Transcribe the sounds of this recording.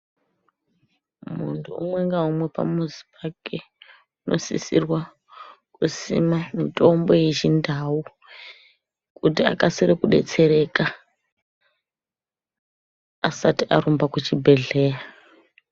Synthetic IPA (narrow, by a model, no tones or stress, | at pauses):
mṵntʰuṵmwe̞ŋɡaumwe̞pa̰muzi̥pake | uno̞̰sḭsirwa | kusḭmamitʼo̞mbo̞jeʒindʱau | kutia̰kasiɾekuɗe̞̰t͡se̞ɾe̞ka | satiʔaɾumbakut͡ʃibʱe̞ɮe̞ːra